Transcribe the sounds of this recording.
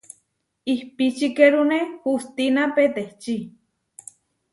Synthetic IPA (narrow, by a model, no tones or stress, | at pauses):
ihpit͡ʃikeɾunehust̪inapet̪eht͡ʃi